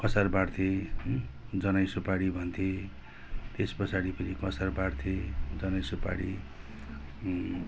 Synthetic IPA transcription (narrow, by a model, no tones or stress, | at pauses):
kʌsarbaɽt̪ʰe | d͡zʌnʌjsupaɽibʱʌnt̪ʰe | t̪espʌsaɽipʌnʰikʌsarbaɽt̪ʰed͡zʌnʌjsupa̰ɽḭ